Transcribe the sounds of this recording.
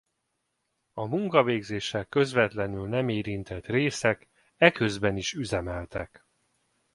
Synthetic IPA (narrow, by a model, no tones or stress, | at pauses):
ɒmuŋkɒveːɡzeːʃɛkːø̞zvɛt̪lɛnylnɛmeːɾint̪ɛt̪reːsɛk | ɛkø̞zbɛniʃyzɛmɛlt̪ɛk